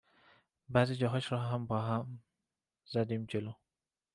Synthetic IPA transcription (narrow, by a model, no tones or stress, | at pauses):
bæːziːd͡ʒɒːɦɒːʃɾɒːɦæmbɒːɦæm | z̥æd̪iːmd͡ʒeloː